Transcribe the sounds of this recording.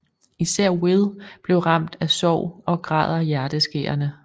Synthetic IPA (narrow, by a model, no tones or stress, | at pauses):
isæɐ̰weðˠb̥le̝ʊʁɑ̈m̰d̥æsɒʊ̰ɒ̽ɡ̥ʁɑ̰̈ːð̰ˠɐjæɐd̥əsɡ̥e̝̰ːɐnə